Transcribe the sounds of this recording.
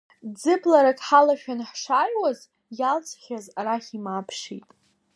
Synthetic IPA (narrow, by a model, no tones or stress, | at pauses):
d͡zɨblaɾakʼħalaʃᶣanħʂarwaz | jalt͡sʰʼχʲazaɾaχʲimapʰʂḭtʼ